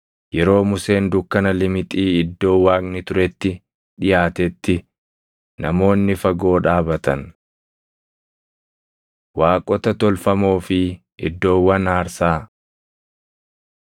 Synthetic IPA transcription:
jɛɾo̞ːmʊse̞ːnd̪ʊkːɐnɐlɪmɪt̪ʼiːɪd̪ːo̞ːwaːknɪt̪ʊɾɛt̪ːɪ | ᶑɪjaːt̪ɛt̪ːɪ | nɐ̰mo̞ːnːɪfɐɡo̞ːᶑaːbɐt̪ɐn | waːkʼɔt̪ɐt̪ɔlfɐmo̞ːfɪ | ʔɪ̰d̪ːo̞ːwːɐnaːɾsaː

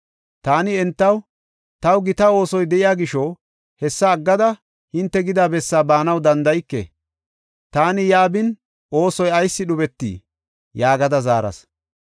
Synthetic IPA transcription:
t̪aːnɪɛnt̪ːɐw | t̪ɐwɡɪt̪ɐo̞ːsɔjd̪ɛʔɪjaːɡɪʃo | hɛsːɐːɡːɐd̪ɐ | hɪnt̪ːɛɡɪd̪aːbɛsːaːbaːnɐwd̪ɐnd̪ɐjɪkːɛ̰ | t̪aːnɪjaːbɪn | ʔo̞ːsɔjɐjsːɪɗʊbɛt̪ːḭː | jaːɡɐd̪ɐzaːɾɐ̰s

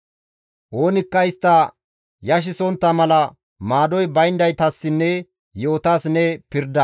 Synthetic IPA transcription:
ʔo̞ːnɪkːɐɪst̪ːɐ | jɐʃ̬ɪsɔnt̪ːɐmɐlɐ | maːd̪ɔjbɐjnd̪ɐjt̪ɐsːɪnːɛ | joːt̪aːsnːɛpɪɾd̪ɐ

